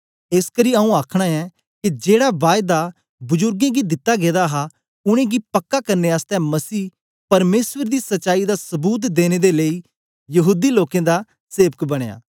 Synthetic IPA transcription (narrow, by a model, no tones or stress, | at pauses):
eskəɾiːɐũaːkʰɽ̃aɛ | kid͡ʒeːɽabaːjd̪a | bʊzʊɾɡẽɡid̪ɪt̪ːaɡeːd̪aɦa | ʊɽ̃ẽːɡipɐkːakɐɾneaːst̪ɛ̃mɐsiː | pɐɾmeːsʋəɾd̪isɐtːʃaːid̪asɐbuːt̪̬d̪eːñed̪eləiː | jɐɦuːd̪iloːkẽd̪a | seːʋəkbɐɽ̃eja̰ː